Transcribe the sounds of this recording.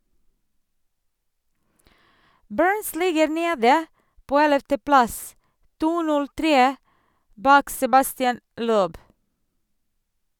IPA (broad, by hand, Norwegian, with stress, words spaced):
ˈbɜːɹns ˈlɪɡəɾ ˈneːdə ˈpoː ˈɛləftəˌplɑs ˈtuː ˈnʉl ˈtɾeː ˈbɑːk sɛbɑstɪˈɛn ˈløːb